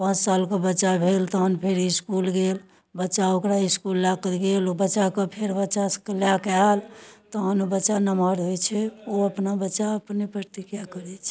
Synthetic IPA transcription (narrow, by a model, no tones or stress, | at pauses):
pə̃nt͡ʃsalkebətːʃabʱelt̪ɔɦənpʰeɾiskulɡel | bətːʃaokɾaiskulːak̪ɡelobəːʃakəpʰeɾbətːt͡ʃaskəljakalt̪ɔɦənbətːʃanəməɾɦojt͡ʃʰɛoəpnabətːʃaəpnepɾəɾt̪ikjakəɾɛt͡ʃʰɛ̥